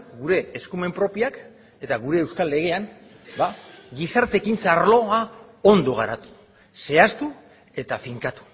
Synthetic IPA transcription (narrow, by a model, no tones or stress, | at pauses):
ɡuɾe̞ːskume̞mpɾo̞piak | e̞t̪aɣuɾe̞ːwskalːe̞ɣ̞e̞am | baɣisaɾt̪e̞kint͡saɾlo̞ao̞nd̪o̞ɣ̞aɾat̪u̥ | se̞ast̪u | e̞t̪afiŋkat̪u̥